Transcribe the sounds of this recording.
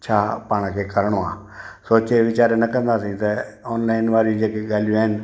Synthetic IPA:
t͡ʃʰaːpaːɽ̃kʰeːkɐɾɽ̃oãː | soːt͡ʃeʋɪt͡ʃaːɾenɐkə̃nd̪aːsĩːt̪ɐɔːnlaːɪnʋaːɾid͡ʒeːkeɠaːlijõaːɦɪnɪ̆

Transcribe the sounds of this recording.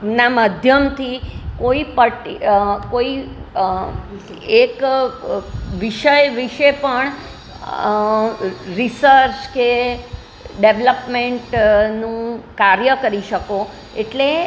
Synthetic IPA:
naməd̪ʱjəmt̪ʰikoipəʈikoi | ek | ʋiʃəjʋiʃepəɳ | ɾisəɾt͡ʃke | ɖeʋləpmeɳʈnũkaɾjəkəɾiʃəko | eʈle

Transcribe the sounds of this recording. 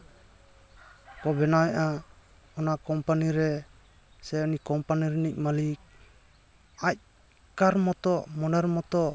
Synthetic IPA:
kɔbɛnawɛʔa | ɔnakɔmpaniɾɛ | sɛɔnikɔmpaniɾɛnic̚malik̚ | ac̚ | kaɾmɔt̪ɔʔmɔnɛɾmɔt̪ɔʔ

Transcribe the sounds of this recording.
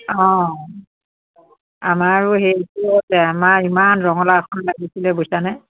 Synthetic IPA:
ɔ̃ | amaɹʊɦetuɔtɛamaimanɹɔŋɔlaxʰɔnlaɡisilɛbojsana

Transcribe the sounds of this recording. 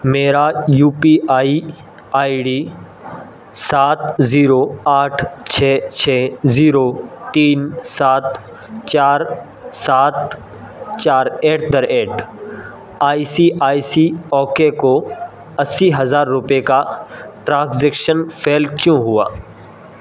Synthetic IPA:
meːɾajuːpiaːi | aːiɖi | saːt̪ziːɾoaːʈʰt͡ʃʰɛːt͡ʃʰɛːziːɾot̪iːnsaːt̪ | t͡ʃaːɾ | saːt̪ | t͡ʃaːɾeːʈ̚d̪əɾeːʈ | aːisiʔaːisiɔːkeko | ɐsːiɦɐzaːɾːʊpekaʈɾãːszeːkʃənpʰeːlkjõɦʊa̰ː

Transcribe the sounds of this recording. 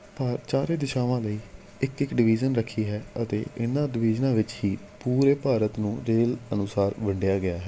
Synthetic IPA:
pəɾt͡ʃaːɾeːd̪ɪʃaːʋãːləiː | ɪkɪkɖɪʋiːd͡ʒənɾəkʰːiːɦɛːət̪ḛːʔɪnãːɖɪʋiːd͡ʒnãːʋɪt͡ʃɦiː | puːɾeːpaːɾət̪nũːɾeːlənʊsaːɾbəɳɖɪjaːɡɪjaːɦɛː

